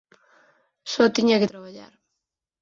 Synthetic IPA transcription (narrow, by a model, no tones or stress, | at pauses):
sɔt̪iɲaket̪ɾaβaʎa̰ɾ